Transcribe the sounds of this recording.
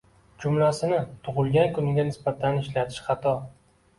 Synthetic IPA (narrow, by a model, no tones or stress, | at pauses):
d͡ʒʊmlasɪnɪt̪ʰʊʁʊlˠɡʲankʰʊnɪɡʲanɪsbat̪ʰanɪʃlat̪ʰɪ̥ʃχɑt̪ʰɒ